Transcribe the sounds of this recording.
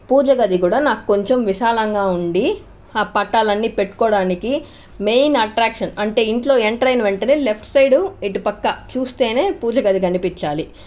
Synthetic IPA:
puːd͡ʒɐɡɐd̪iɡuːɽaːnaːkuko̞ɲt͡ʃemʋiʃaːlɐŋɡaːuɳɖi | aːpɐʈːaːlɐnːiːpe̞ʈːu̥kɔːɽaːniki | mejnɐʈɾaːkʂɐnɐɳʈe̞ːiɳʈlo̞ːeɳʈɾɐjnɐʋeɳʈɐneːle̞pʰʈsɐjɖuiʈupɐkːɐt͡ʃuːst̪e̞ːne̞ːpuːd͡ʒɐɡɐd̪iɡɐnipiɲt͡ʃaːli

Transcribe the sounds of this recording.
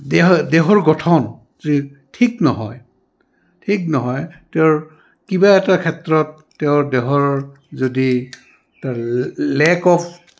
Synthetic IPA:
dɛɦdɛɦɔɹɡɔtʰɔn | zi | tʰiknɔɦɔj | tʰik̚nɔɦɔjtɛʊɹ | kibaɛtakʰɛtɹɔtːeʊɹdɛɦɔɹ | zodi | talɛkɔp̚

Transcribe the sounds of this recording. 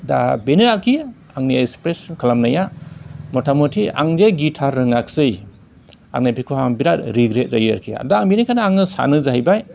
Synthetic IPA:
da̰benɯakʰi | aŋniekspɾeskʰalamnajamɔtʰamutʰia̰ŋdeɡitʰaɾːɯŋak̚sɯj | a̰ŋnapikʰɔhaŋbiɾat̚ɾiɡɾet̚zajɯ̰ɾkʰia̰daːŋbenikʰanaaŋɯsa̰nɯzaɦajbaj

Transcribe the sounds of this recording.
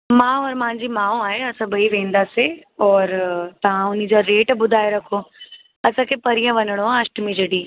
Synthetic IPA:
mãːɔːɾmãɲd͡ʑimãːõaːɦeɐsãbəiʋẽːnd̪aseɔːɾt̪ɐʋãʊn̤id͡ʑaɾeːʈbʊd̪ʱaːeɾɐkʰo | ɐsãkepɐɾijãʋɐnəɽ̃oɦãɐʃʈmĩd͡ʑɐɽiː

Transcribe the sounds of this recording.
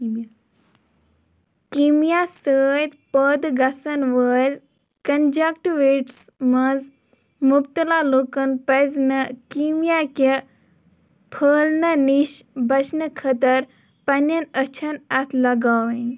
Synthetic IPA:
kimjasəːjd̪pəd̪ɡɐsɐnʋəːlʲ | kɐnd͡ʒakʈuɾeʈsmɐz | mupt̪əlaloːkɐnpɐznəkimjake | pʰəːlnɐniʃbɐt͡ʃʰnəkʰɐt̪ɐɾ | pɐnɐnət͡ʃʰɐnɐt̪ʰlɐɡaːʋɐn

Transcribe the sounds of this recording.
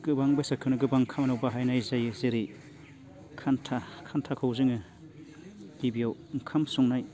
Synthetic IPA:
ɡ̥ɯbaŋbasakʰɯwnɯɡɯbaŋkʰamɐnawbaɦajnajzajɯzeɾi | kʰantʰakʰantʰakʰawzɯŋɯ | ɡ̥ibijawŋkʰamsɔŋnaj

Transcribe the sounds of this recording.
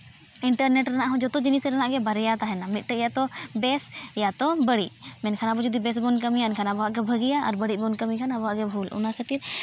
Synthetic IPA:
iɳʈəɾnɛʈɾanaʔɦɔ̃d͡ʒɔt̪ɔd͡ʒinisɛɾanaʔɡɛbaɾɛjat̪aɦɛnamit̪̚ˀʈəjat̪ɔbɛsjat̪ɔbəɽiʔmɛnkʰanabɔd͡ʒɔd̪ibɛs̬bɔnk̬əmijaɛnkʰanabɔaʔɡɛbʱəɡijaʔaɾbəɽiʔ̚bɔnkəmikʰanabɔɦaʔɡɛbʱulʔɔ̰nakʰat̪iɾ

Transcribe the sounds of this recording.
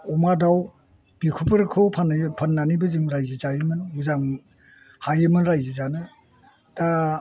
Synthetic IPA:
ɔmadaw | b̥ikʰupɯɾkʰɯwpʰanpʰanːanibɯzɯŋɾajzizajɯmɯnɡuzaŋ | hajɯmɯnɾajzizanɯ | d̥a

